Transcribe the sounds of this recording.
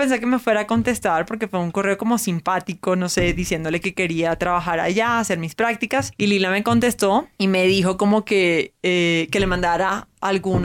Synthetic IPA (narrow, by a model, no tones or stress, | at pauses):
pe̞ns̬ekeme̞fwe̞ɾaːko̞nt̪e̞st̪aɾpo̞ɾk̬e̞fweuŋko̞reo̞ko̞mo̞simpat̪iko̞no̞se̞ðisje̞nd̪o̞le̞ke̞ke̞ɾiat̪ɾaβaxaɾa̰ʝaase̞ɾmispɾak̚t̪ikasililame̞ko̞nt̪e̞st̪o̞ime̞ðixo̞ko̞mo̞ke̞eke̞le̞mãnd̪aɾaalɣun